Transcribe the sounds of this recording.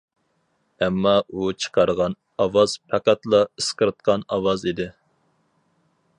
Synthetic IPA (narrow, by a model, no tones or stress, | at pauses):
ɛmːɑʔut͡ʃʰə̥qʰɑɾəʁɑn | ɑwɑz̥pʰæqæt̪lˠɑəsqəɾɨt̪̚qʰɑnɑwɑzid̪ɪ